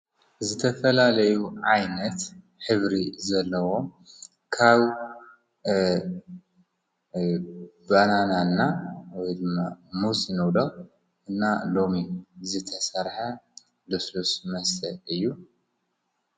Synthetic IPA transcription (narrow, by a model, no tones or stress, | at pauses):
zɨt̪ʰɐfɐlalɐjuʕajnɐt̪ | ħɨβɾizɐlːɐwo̞ | kʰaβ | banananːawɔjd̪ɨmːamusnɨβlo | ɨnːalo̞mizɨt̪ʰɐsɐɾħa | d̪oslusmɐst̪ʰɐʔɨjːu